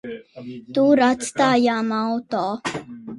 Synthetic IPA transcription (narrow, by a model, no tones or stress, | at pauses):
t̪uɾat̪st̪aːjaːmawt̪ɔː